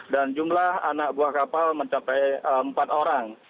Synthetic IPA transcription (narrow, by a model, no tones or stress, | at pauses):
dand͡ʒumlaha̰nak̚buahkapalməɲt͡ʃapɛjəmpat̪oɾaŋ